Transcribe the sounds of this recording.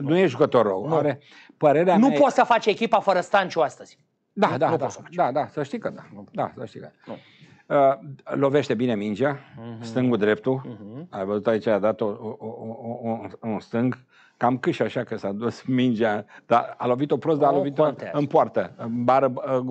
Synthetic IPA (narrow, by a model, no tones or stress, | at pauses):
nujeʒukət̪o̞rːəwaɾe | pəɾe̞ɾeanupot̪səfat͡ʃekʲipafəɾəst̪ant͡ʃuast̪əz̥ʲ | d̪ad̪aosəad̪ad̪asəʃt̪ikəd̪ad̪a̰səʃt̪ikəd̪ | əlo̞ve̞ʃt̪e̞binemind͡ʒiast̪ɨŋɡud̪ɾe̞p̚t̪uajvəzut̪ait͡ʃaad̪at̪o | unst̪ɨŋɡ | kamkɨʃaʃakəsad̪usmind͡ʒiad̪̥aalo̞vit̪o̞pɾos̬d̪alo̞vit̪oɨnpoart̪əbaɾə